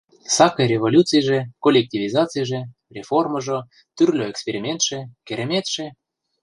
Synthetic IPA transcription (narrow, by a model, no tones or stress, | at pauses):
sɑkɤɾʲevolʲut̪t͡sɨjʒĕkolʲek̚tʲivʲizɑt͡sɨjʒĕ | rʲeforməʒo | t̪yrlʲoekspʲeɾʲimʲent̪ʃĕkʲeɾʲemʲet̪ʃĕ